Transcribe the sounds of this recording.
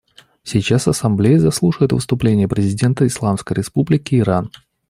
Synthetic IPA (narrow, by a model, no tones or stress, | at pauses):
sʲɪjt͡ɕasɐsɐmblʲejəzɐslˠuʂɨɪt̪vɨ̰st̪ʊplʲenʲɪjəpɾʲɪzʲɪdʲe̞nt̪əɪslˠamskəjɾʲɪspublʲɪkʲɪːɾan